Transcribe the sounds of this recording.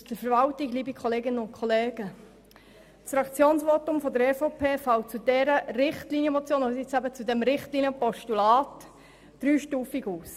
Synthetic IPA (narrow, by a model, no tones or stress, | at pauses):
dəfəɾvɑltiɡliːbikʰɔleːɡɪnənʊnkʰχɔleːɡə | sɾɑkt͡sjoːnsʋotʊmfɔd̪əɾɛfopʰeːfɑlt͡sudɛɾəɾɪχtlinjəmɔt͡sjoːnoəɪt͡sæbət͡sudɛmɾɪχtliːnjəpɔʃtulɑːt | d̥ɾyːʃtuːfiɡuːs